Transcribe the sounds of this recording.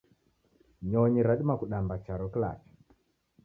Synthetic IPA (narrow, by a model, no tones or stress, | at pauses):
ɲɔɲiɾaɗimakuɗambat͡ʃaɾɔkla̰t͡ʃɔ̥